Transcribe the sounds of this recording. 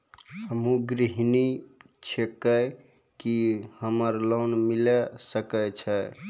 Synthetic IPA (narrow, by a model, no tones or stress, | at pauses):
həmũɡɾiɦni | t͡ʃʰekəj | kihəməɾlonmilɛsəkət͡ʃʰɛ